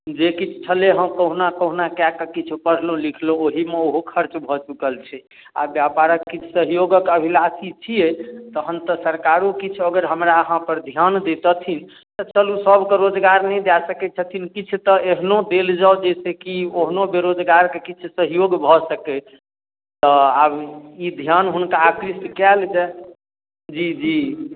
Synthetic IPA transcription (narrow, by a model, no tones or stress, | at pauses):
d͡ʒekit͡ʃʰt͡ʃʰəleɦəmkəɦunakəɦunakjakkit͡ʃʰupəɽ̤lõlikʰlõoɦimeoɦokʰəɾt͡ʃbʱɔt͡ʃukəlt͡ʃʰɛ | a̰bjapaɾəkːit͡ʃʰu̥səɦjoɡəkəbʱilasit͡ʃʰijet̪əɦənt̪əsəɾkaɾukit͡ʃʰəɡəɾɦəmɾaəɦãpəɾd̪ʱjand̪et̪ət̪ʰin | t̪ɔt͡ʃəlusəbʱkeɾod͡ʒɡaɾnɛjd̪jasəkɛt͡ʃʰət̪ʰinkit͡ʃʰt̪ɔeɦnod̪eld͡ʒawd͡ʒɛsekioɦnobeɾod͡ʒɡaɾkekit͡ʃʰusəɦjoɡbʱɔsəkɛ | t̪ɔabid̪ʱjanɦunkaːkɾiskɛld͡ʒɛ | d͡ʒid͡ʒi